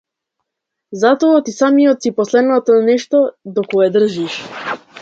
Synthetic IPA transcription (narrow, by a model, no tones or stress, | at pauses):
zat̪ɔɔt̪isamijɔt̪sipɔslɛd̪nat̪ɔnɛʃt̪ɔd̪ɔkɔɛd̪r̩ʒiʃ